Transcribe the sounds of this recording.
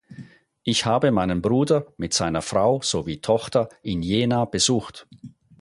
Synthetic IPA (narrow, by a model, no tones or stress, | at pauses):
ʔɪçhaːbəmaɪnənbʁuːdɐmɪtz̥aɪnɐfʁaʊz̥oviːtʰɔxtɐʔɪnjeːnab̥əzuːxt